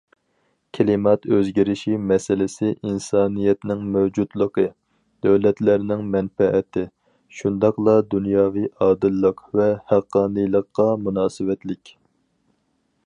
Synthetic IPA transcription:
kʲʰelɪmɑt̪øzɡʲiɾɪʃimɛsɪlɪsɪʔinsɑːnijɛt̪nɪŋmɛwd͡ʒud̪lˠəqʰə | d̪̥øwlɛt̪læɾnɪŋmɛnfɛʔɛt̪ʰɪ | ʃund̪ɑqlˠɑd̪unjɑːvijɑːd̪ɨlːəqvɛhæqːɑːnɨjlˠəqːɑmunɑːsɨwɛt̪lɪkʲ

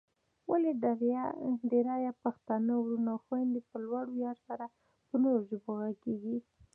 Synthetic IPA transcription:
waleaɾɖeɾɑjapaxt̪anawɾunawxwand̪epəlwaɽojɑɾsaɾa | pənoɾoʒəboɣakeɡi

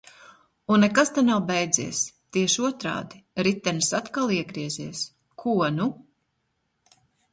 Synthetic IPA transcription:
unːɛkast̪anawbɛjd̪zḭɛst̪iɛʃuɔt̪ɾa̰ːd̪iɾit̪ːɛnsat̪kalˠiɛɡɾiɛziɛs | kʰuɔnu

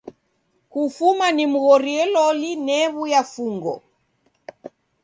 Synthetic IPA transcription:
kufumanim̩ɣɔɾiɛlɔlinɛβujafuŋɡɔ̰

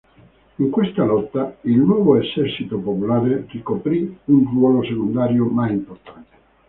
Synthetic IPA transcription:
iŋkwest̪alɔt̪ːailnwɔːvoesɛrt͡ʃit̪opopulaːɾerikopɾiunrwɔːlosekond̪aːɾjomajimport̪ant̪e̥

